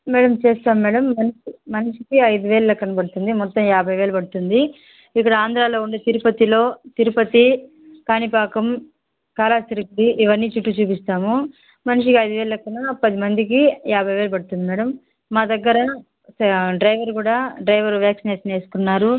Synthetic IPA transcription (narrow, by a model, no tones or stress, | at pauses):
mɛːɽɐmt͡ʃeːst̪aːmːɛːɽɐmːɐniʂimɐniʂikiɐjd̪uʋeːɭɐlɐkːɐnɐbɐɽut̪und̪imɔt̪ːɐmjaːbʱɐjʋe̞ːlɐpɐɽut̪und̪i | ikːɐɽɐaːnd̪ɾaːlo̞ːuɳɖeːt̪iɾupɐt̪ilo̞ːt̪iɾupɐt̪i | kaːnipaːkɐm | kaːlaːst͡ʃiɾɐkɐɽiʔiʋɐnːiːt͡ʃuʈːut͡ʃuːpist̪aːmu | mɐniʂikiɐjd̪uʋeːlɐlɐkːɐnɐpɐd̪imɐnd̪ikijaːbʱɐjʋe̞ːlɐpɐɽut̪und̪imɛːɽɐmː | aːd̪ɐɡːɐɾɐ | ɖɾɐjʋɐɾkuːɽaːɖɾɐjʋɐɾʋjaːksineːʂɐne̞ːsu̥kunːaːɾu